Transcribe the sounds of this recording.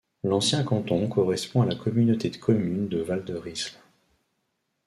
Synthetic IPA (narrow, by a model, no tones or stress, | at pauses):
lɑ̃sjɛ̃kɑ̃t̪ɔ̃kɔʁɛspɔ̃alakɔmynot̪ed̪əkʰɔmynd̪əvald̪əʁisl